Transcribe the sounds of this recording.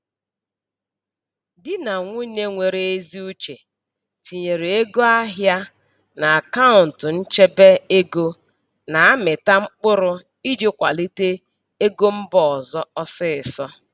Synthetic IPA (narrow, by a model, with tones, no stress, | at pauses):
dɪ˦na˨ŋʷu˦ne˦ŋʷe˨ɾe˨e˦zi˦u˦t͡ʃe˨ | ti˨ɲe˨ɾe˨e˦ɡo˦a˦ɦja˦ | na˨a˨ka˦ʊ˨n̩˨tʊ˨n̩˦t͡ʃe˦be˦e˦ɡo˦ | na˨a˦mɪ˨ta˦ŋ͡m̩˦k͡pʊ˦ɾʊ˦ | i˦d͡ʒe˦kʷa̰˨li˦te˦ | e˦ɡo˦m̩˦bɔ˨ɔ˨zɔ˦ɔ˦sɪ˦ɪ˨sɔ˦